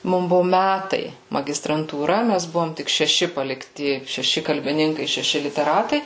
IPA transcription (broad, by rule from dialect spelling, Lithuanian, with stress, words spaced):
ˈmʊm ˈbʊʋoː ˈmʲætɐɪ mɐɡʲɪstrɐntuːˈrɐ ˈmʲæs ˈbʊʋoːm tʲɪk ʃʲɛˈʃʲɪ pɐlʲɪkˈtʲɪ ʃʲɛˈʃʲɪ kɐlʲbʲɪˈnʲɪŋkɐɪ ʃʲɛˈʃʲɪ lʲɪtʲɛˈrɑːtɐɪ